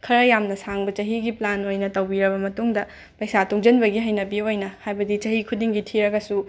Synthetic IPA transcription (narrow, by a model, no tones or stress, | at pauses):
kʰɐɾɐjamnɐsaŋbɐt͡ʃɐɦiɡiplanojnɐtɐwbiɾɐbɐmɐtuŋdɐ | pɐjsatʰuŋd͡ʒɐnbɐɡiɦɐjnɐbiojnɐhajbɐdit͡ʃɐhikʰudiŋɡitʰiɾɐɡɐsu